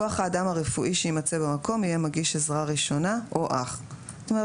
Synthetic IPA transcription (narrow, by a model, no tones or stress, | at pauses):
oaχaːdamhaʁefuʔiʃeimat͡se̞bemako̞mijemaɡiʃezʁaʁiʃo̞naʔoʔaχ | t̪ome